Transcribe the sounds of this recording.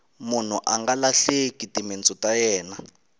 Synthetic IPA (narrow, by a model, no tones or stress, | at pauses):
mun̤uʔaŋɡalaɬekʼitʼiment͡sʼɔtʼajɛːna